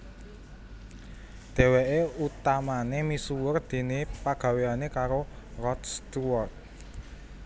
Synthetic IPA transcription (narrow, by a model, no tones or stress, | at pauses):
d̪̥e̤weʔeut̪amanemisuwərd̪̥e̤nepaɡ̥ä̤weanekaɾo | rɔt̪st̪uwɔrt̪̚